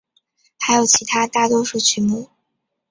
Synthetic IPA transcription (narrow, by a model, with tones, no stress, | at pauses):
xa˧˥ɪjo˨˩ʊt͡ɕʰi˧˥t̪ʰa˥t̪a˥˩t̪wɔ˥ʂu˥˩t͡ɕʰy˧˥mu˥˩